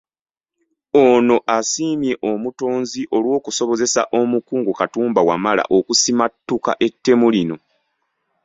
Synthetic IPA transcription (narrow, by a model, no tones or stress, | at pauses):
ono̞ʔasiːmje̞ʔomuto̞ːnziʔo̞lwo̞ːkuso̞βo̞ze̞sa̰ʔo̞mukuːŋɡukatuːmbawamala̰ʔo̞kusimatːuka̰ʔe̞tːe̞mulino̞